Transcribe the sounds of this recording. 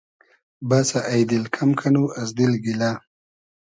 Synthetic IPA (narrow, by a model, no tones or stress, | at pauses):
basaʔːjd̪ɪlkʰamkʰanuazd̪ilɡila